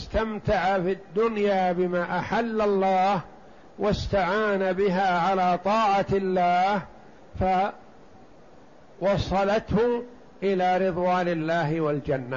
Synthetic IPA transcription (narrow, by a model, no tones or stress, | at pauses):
ɪst̪amt̪aʕafid̪ːʊnjaːbɪmaːʔaħalːalˤːɑːh | wast̪aʕaːnabɪɦaːʕalaːt̪ˤɑːʕalːaːh | fa | wɑsˤɑlɑt̪hʊ | ʔɪlaːɾɨðˤwaːnɪlːaːhɪwald͡ʒanːa